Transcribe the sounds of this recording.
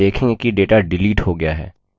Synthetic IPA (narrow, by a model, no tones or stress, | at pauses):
eːkʰẽkiɖeːʈaɖɪliːʈɦoɡɪjaɦɛ̰ː